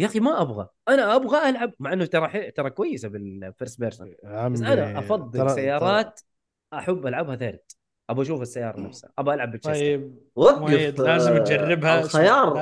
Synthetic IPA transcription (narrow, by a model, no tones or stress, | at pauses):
jaːximaʔabɣa̰ʔanaʔabɣaʔalʕab̚maʕʔɪnːʊt̪ɑɾˤɑħɪt̪ɑɾˤɑkwajːɪsabɪlfɪɾsbeɾsasʔanaʔɑfɑðˤːɨlsajːɑːɾˤɑːt̪ | ʔaħabːʔalʕabhaθeːɾˤt̪ | ʔabaʔaʃ̬uːfasːajːɑːɾˤɑnafsa̰ʔabaʔalʕabːɪʃajb | waɡd̪laːzɪmʔad͡ʒarˤːɪbhaxajɑːɾˤ